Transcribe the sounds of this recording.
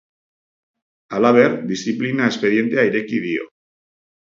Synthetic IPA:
alaβeɾd̪isθiplinaespe̞ðje̞nt̪eajɾekiðio̰

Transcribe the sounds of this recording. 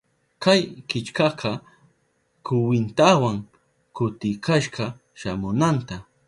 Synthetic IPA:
kajkɪt͡ʃkɑqɑ | kʊwɪnt̪awaŋ | kʊt̪ɪkaʃɢɑ | ʃamʊnant̪a

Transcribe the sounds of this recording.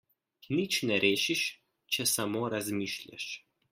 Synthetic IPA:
nit͡ʃnɛɾʔeːʃiʃ | t͡ʃɛsamoːɾazmiːʃlja̰ʃ

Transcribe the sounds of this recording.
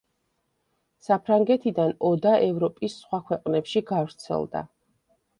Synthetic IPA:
sapʰɾaŋɡɛt̪ʰid̪anɔd̪aʔɛvɾɔpʼisːχwakʰwɛqʼnɛpʃiɡavɾt̪sʰɛ̰lˠd̪a̰

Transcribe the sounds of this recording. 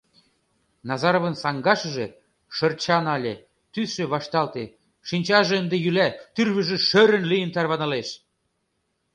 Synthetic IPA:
nɑzɑɾovə̆nsɑŋɡɑʃə̆ʒe | ʃɤ̆rt͡ɕɑnɑlʲe | t̪ysʃĕβɑʃt̪ɑlt̪e | ʃinʲt͡ɕɑʒĕənd̪ejylæt̪yrβəʒĕʃøɾə̆nlijəmt̪ɑrβɑnɑleʃ

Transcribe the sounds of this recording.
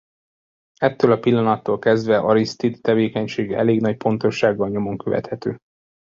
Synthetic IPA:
ɛt̪ːøːlɒpilːɒnɒt̪ːoːlkɛzd̪vɛʔɒɾist̪id̪t̪ɛveːkɛɲʃeːɡɛ̰leːɡnɒc̚po̞nt̪o̞ʃːaːɡːɒlɲo̞mo̞ŋkøvɛ̰t̪hɛt̪øː

